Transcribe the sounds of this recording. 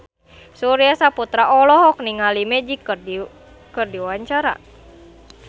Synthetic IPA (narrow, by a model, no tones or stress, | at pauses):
suɾiasaput̪ɾaʔɔlɔɦɔk̚niŋalimɛd͡ʒik | kɨrdiwaɲt͡ʃaɾa̰